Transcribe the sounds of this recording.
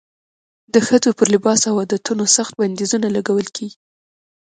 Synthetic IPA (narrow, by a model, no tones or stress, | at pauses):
d̪əxəd͡zopəɾlɪbɑsawɑd̪at̪unosaxt̪̚band̪izunalaɡawəlkʰeɡi